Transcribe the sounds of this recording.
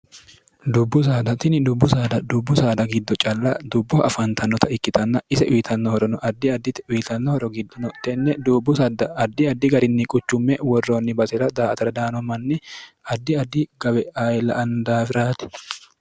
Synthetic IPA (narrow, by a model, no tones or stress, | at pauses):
d̪ʊbːʊs̬aːd̪ɐt̪ɪnɪd̪ʊbːʊsaːd̪ɐd̪ʊbːʊsaːd̪ɐɡɪd̪ːɔt͡ʃʼɐlːɐd̪ʊbːɔʔɐfɐnt̪ʰɐnːɔt̪ʰɐɪkːɪt̪ʰɐnːɐɪsɛʔʊjɪt̪ɐnːɔhɔɾɔnɔʔɐd̪ːɪɐd̪ːɪt̪ʊjt̪ɐnːɔhɔɾɔɡɪd̪ːɔnɔt̪ɛnːɛd̪ubːʊsɐd̪ɐɐd̪ːɪɐd̪ːɪɡɐɾɪnːɪkʼʊt͡ʃːʊmːɛwɔrːoːnːɪbɐsɛɾɐd̪aːt̪ɐɾɐd̪aːnɔmɐnːɪɐd̪ːɪɐd̪ːɪɡɐbɛajlɐ̰ʔɐnd̪aːfɪɾaːt̪ɪ̥